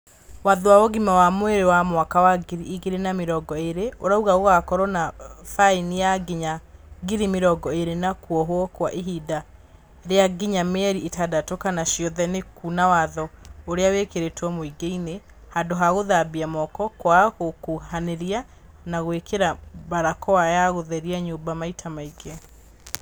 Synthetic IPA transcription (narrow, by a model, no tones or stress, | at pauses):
waðowawɔɣimawamweɾewamwakawaɡiɾiːɣeɾenameɾɔɡɔeɾeoɾauɣaoɣakɔɾɔnafainijaɡiɲaɡiɾimeɾɔɡɔeɾenakwɔɦwɔkwaʔeɦida | ɾeaɡiɲamɛɾietadatokanaʃjɔðɛnekunawaðɔoɾeawekeɾetwɔmoiɡeine | hadoɦaɣoðabiamɔkɔkwaɣokuhaneɾia | naɣwekeɾabaɾakɔwajaɣoðɛɾiaɲoːbamaitʰamaiɡeɔ